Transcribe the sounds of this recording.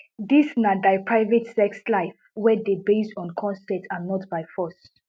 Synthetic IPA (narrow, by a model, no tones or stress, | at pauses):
disnadaɪpɹaɪvetsɛkslaɪf | wɛdebestɔ̃nkʰɔ̃nsɛtʰanɔtbaɪfɔs